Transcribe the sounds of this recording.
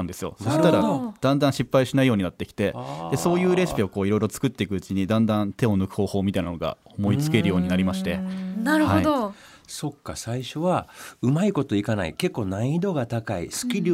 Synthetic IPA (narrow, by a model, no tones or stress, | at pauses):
ãnd̪e̞sɨjo̞̰soɕit̪aɾad̪̥ãnd̪ãɰ̃ɕipːaiɕinaijo̞ːɲinat̪ːe̞kʲi̥t̪e̞d̪e̞so̞ːjɯ̟ːɾe̞ɕi̥pʲio̞ko̞ːiɾo̞iɾo̞t͡sɨ̥kɯ̟t̪ːe̞ikɯ̟ɯ̟t͡ɕiɲ̟id̪ãnd̪ãnt̪e̞o̞nɯ̟kɯ̟hoːho̞ːmʲit̪aina̰noɡa̰omo̞it͡sɨ̥ke̞ɾɯ̟jo̞ːɲ̟inaɾʲimaɕi̥t̪e̞naɾɯ̟haoid̪o | so̞kːasaiɕo̞βaɯ̟maiko̞t̪o̞ikana̰ḭke̞kːo̞ːnaĩd̪o̞ɡat̪akaḭsɨ̥kʲiɾʲ